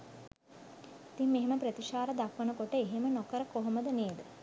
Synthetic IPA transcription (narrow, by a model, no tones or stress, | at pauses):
it̪imːeɦeməpɾət̪iʃaːɾəd̪akʋənəkoʈəeɦemənokəɾəkoɦoməd̪əneːd̪ə